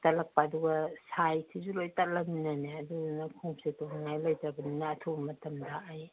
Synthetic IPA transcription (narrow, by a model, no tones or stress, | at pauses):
tɐlɐk̚paːduɡɐsajtʰizulojtalɐminɐneɐdudnɐkʰuŋpsetɔŋnajlojtɾɐbɐninɐːtʰubɐmɐtʰɐmdaːj